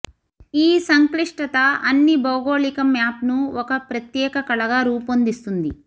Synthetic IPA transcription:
iːsɐŋkliʂʈɐt̪ɐɐnːibɐwɡoːɭikɐmaːpnuɔkɐpɾɐt̪jɛːkɐkɐɭɐɡaːɾuːpond̪ist̪und̪i

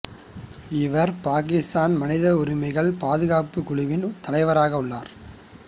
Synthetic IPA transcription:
ɪʋɐɾpaːk̬ɪst̪aːnmɐnɪðɐʊɾɪmɐɪɣɐɭpaːðɯɣaːpɯkʊɭɪʋɪnt̪ɐlɐɪʋɐɾaːɣɐʊɭːaːɾ

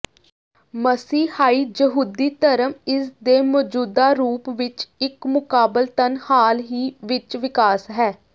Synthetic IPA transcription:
məsiːhaːiːd͡ʒəɦuːd̪iːt̪əɾəmɪsd̪eːmɔːd͡ʒuːd̪aːɾuːpʋɪt͡ʃɪkmʊkaːbəlt̪ənhaːlɦiːʋɪt͡ʃʋɪkaːsɦɛː

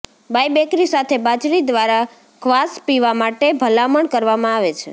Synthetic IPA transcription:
bajbekɾisat̪ʰebat͡ʃɾid̪ʋaɾa | kʰʋaspiʋamaʈebʱəlaməɳkəɾʋamãaʋet͡ʃʰḛ

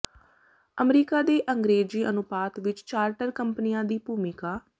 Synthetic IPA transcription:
əmɾiːkaːd̪eːʔəŋɡɾeːd͡ʒiːʔənʊpaːt̪ʋɪt͡ʃt͡ʃaːɾʈəɾkəmpniːãːd̪iːpuːmɪkaː

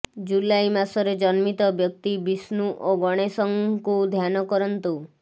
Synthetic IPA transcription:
d͡ʒulajmasɔɾed͡ʒɔnmit̪ɔbjɔk̚t̪ibisnuʔoɡɔɽ̃esɔŋkud̪ʱjanɔkɔɾɔnt̪u

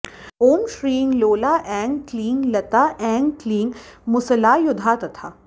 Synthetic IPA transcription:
oːmʃɾĩːŋɡloːlaːʔɛ̃ːŋɡklĩːŋɡlɐt̪aːʔɛ̃ːŋɡkliːŋɡmʊsəlaːjʊd̪ʱaːt̪ɐt̪ʰaː

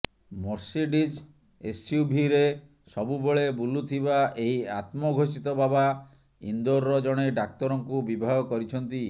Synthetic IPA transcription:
mɔɾsiɖid͡ʒ | est͡ʃiubʱiɾe | sɔbubɔɭebulut̪ʰiβaʔeɦiat̪mɔɡʱosit̪ɔbaba | ḭnd̪oɾːɔd͡ʒɔɽ̃eɖak̚t̪ɔɾɔŋkubibʱaɦɔkɔɾit͡ʃʰɔnt̪i

